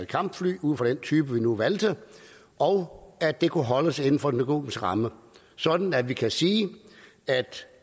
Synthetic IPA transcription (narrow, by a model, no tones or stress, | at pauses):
d̥kʰɑ̈m̰b̥fly̰ːuð̰ˠfʁɒ̽d̥ent͡sʰyːb̥əʋinuʋæld̥ə | ɒʊæ̥d̥e̝kʰuɦɒ̽ləse̝nn̩fɒ̽d̥enɡ̥o̝̰ːmisəʁɑ̈mə | sɒ̽d̥n̩æʋikʰæsiː | æd̥